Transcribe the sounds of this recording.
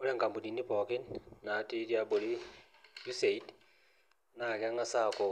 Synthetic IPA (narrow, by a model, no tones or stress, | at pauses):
uleŋɡambuninipokinnatiɾjabuli | juseid | nakaŋasako